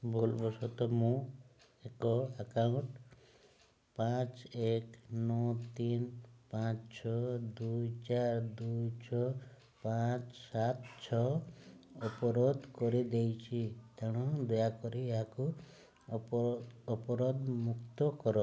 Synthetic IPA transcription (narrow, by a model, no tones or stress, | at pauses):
bolbɔsɔt̪ɔmũ | ekɔakauɳʈ | pãt͡ʃeknɔt̪inpãt͡ʃt͡ʃʰɔd̪ujt͡ʃaɾd̪ujt͡ʃʰɔ | pãt͡ʃsat̪t͡ʃʰɔ | ɔpɔɾod̪kɔɾid̪ejt͡ʃʰit̪aɽ̃ɔ̃d̪ɔjakɔɾieɦaku | ɔpɔɾod̪mukt̪ɔkɔɾɔ